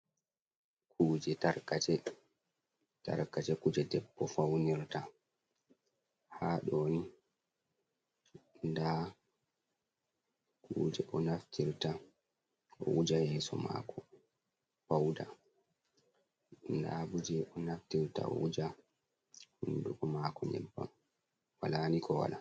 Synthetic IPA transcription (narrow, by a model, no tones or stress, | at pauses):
kuːd͡ʒɛtaɾkat͡ʃɛ | ta̰ɾkat͡ʃɛkud͡ʒɛdɛbːɔfawniɾta | haɗoːni | nda | kuːd͡ʒɛʔɔnaftʰiɾta | ʔɔʔud͡ʒahɛːsɔma̰ːkʰɔ | fawda | ndabud͡ʒɛʔɔnaftiɾta̰ɔ̰ud͡ʒa | hunduɡɔmaːkɔɲɛ̰bːa̰m | walaːnikʰɔwa̰la